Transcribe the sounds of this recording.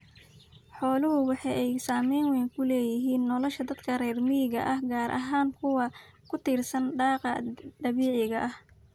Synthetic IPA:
ħɔːlʊɦʊwɑħɑjɛjsaːmɛjnwɛjŋkʰʊlɛːjɪɦiːnːɔlɔʃɐd̪ɐd̪kʰɐrɛːrmɪjɪɣɐ̰ʔɐhɡaːɾʔɐ̰ɦaːŋkʰʊwɐkʰʊt̪ʰiːrsɐnɖɑːqɑd̪ɐβiːʕɪɣɐʔɐh

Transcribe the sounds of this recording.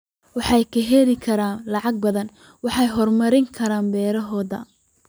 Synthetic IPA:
wɑħɑjkʰɐɦɛɾɪkʰɐɾaːnlɑʕɑɡ̚bɐðɐn | wɑħɑjɦɔrmɐɾɪŋkʰɐɾaːnbɛːɾɐɦɔːðɐ̰

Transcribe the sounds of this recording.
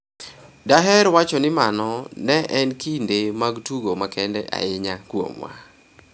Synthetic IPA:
daɦɛɾwat͡ʃɔnɪmanɔnɛʔɛnkindemaɡtuɡomakɛndɛ̰ʔa̰ɪɲakwo̰mwa̰

